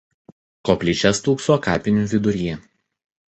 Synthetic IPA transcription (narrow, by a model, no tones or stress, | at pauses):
koːpʲlʲiːˑt͡ʃʲɛst̪uːksoːkɑ̰ːpʲɪnʲuʋʲɪd̪ʊɾʲɛ